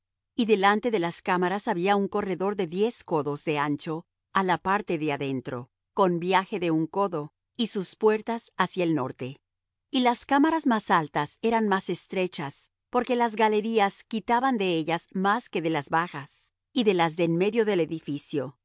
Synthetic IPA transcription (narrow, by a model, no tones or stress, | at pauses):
iðe̞lant̪e̞ðe̞laskamaɾasaβiauŋko̞re̞ðo̞ɾðe̞ðje̞sko̞ðo̞zðe̞ant͡ʃo̞ | alapaɾt̪e̞ðeaðe̞nt̪ɾo̞̰ | ko̞nbjaxe̞ðe̞uŋko̞ðo̞ | isuspwe̞ɾt̪asasjaelno̞̰ɾt̪e̞ | ilaskamaɾazmasalt̪ase̞ɾanmase̞st̪ɾe̞t͡ʃas | po̞ɾke̞lazɣale̞ɾiaskit̪aβand̪e̞eʝazmaske̞ðe̞lazβaxas | iðe̞lazðenme̞ðjo̞ðe̞le̞ðifisjo̞